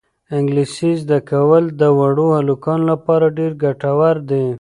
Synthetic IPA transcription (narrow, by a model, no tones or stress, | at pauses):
ɪŋɡliʃizd̪akawəld̪əwaɽohalukɑnlapɑɾaɖeɾɡaʈawaɾd̪e